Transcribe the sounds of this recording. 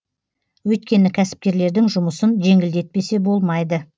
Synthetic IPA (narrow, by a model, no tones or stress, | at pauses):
wɵjt̪̚kʲe̞nɪkʲʰæsɪ̥p̚kʲe̞ɾle̞ɾd̪ɪŋʒʊməsənʒe̞ŋɪld̪e̞t̪̚pe̞se̞bo̞lˠmɑjd̪ə